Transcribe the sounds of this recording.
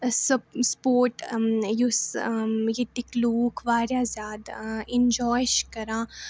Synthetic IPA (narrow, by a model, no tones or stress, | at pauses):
sɐspoːɾʈjus | jet̪ikluːkʰʋaːɾjaːzjaːd̪ẽnd͡ʒɔːjʃkɐɾãː